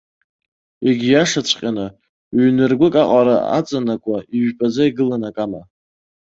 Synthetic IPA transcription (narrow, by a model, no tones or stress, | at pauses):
eɡʲijaʂat͡ɕʷʰqʲʼana | ɥnɨrɡʷʊkʼaqʼaɾa̰a̰t͡sʼanakʷʼaiɥpʼazaiɡɨlanakʼama